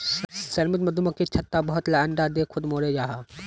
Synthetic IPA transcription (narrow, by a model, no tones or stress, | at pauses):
sɐɾmɪt̪mɐd̪umɐkːit͡ʃʰɐt̪ːabɐɦʊt̪lɐɐɳɖad̪eːkʰʊd̪moːɾed͡ʒaːɦa